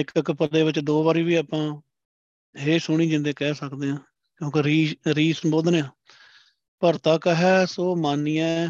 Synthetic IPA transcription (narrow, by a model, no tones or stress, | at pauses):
ɪkɪkpəeːʋɪt͡ʃd̪oːβaːɾiːʋiːaːpãː | ɦeːsʊɳ̃iːd͡ʒɪnd̪eːkɛːsəkd̪eːɦãː | kjõːkeɾiːɾiːsəmboːd̪neːãː | pəɾt̪ãːkɦɛːsoːmaːniːɛ̃ː